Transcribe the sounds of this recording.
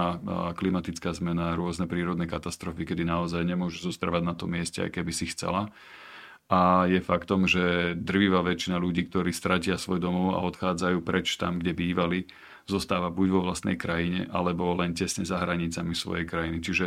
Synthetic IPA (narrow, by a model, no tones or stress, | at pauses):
klimat̪it͡skaːzmɛnaɾʊɔznɛpɾiːɾɔd̪nɛkat̪ast̪ɾɔfikɛd̪inaɔzajɲɛmʊɔʒɛzɔst̪ɾaʋaɟnat̪ɔmɪɛscɛa̰jkɛbisixt͡sɛ̰la | ʔajɛfakt̪ɔmʒɛd̪r̩ʋiʋaʋɛt͡ʃinaluɟiːkt̪ɔɾiːst̪ɾacɪasʋɔjd̪ɔmɔʊa̰ɔt̪xaːd͡zajuːpɾɛt͡ʃt̪a̰mɡɟɛbiːʋali | zɔst̪aːʋabuɟʋɔʋlast̪nɛ̰jkɾajiɲɛ̰ʔalɛbɔlɛncɛsɲɛzaɦɾaɲit͡samisʋɔ̰jɛjkɾajinit͡ʃiʒɛ